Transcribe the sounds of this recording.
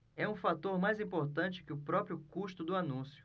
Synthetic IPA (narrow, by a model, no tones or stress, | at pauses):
ɛũfat̪oɾmajzĩpoɾt̪ɐ̃nt͡ʃɪ̥kɪʊpɾɔpɾjʊkuʃt̪ʊd̪ʊanũsjʊ̥